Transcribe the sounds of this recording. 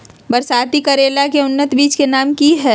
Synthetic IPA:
bɐɾsaːt̪ikɐɾeːlakeʊnːət̪biːt͡ʃkenaːmkiɦɛː

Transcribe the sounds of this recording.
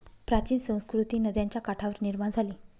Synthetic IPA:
pɾat͡ɕiːnsə̃w̃skɾut̪iːnəd̪jaɲt͡ɕjakaʈʰaʋəɾniɾmaɳd͡zʱaliː

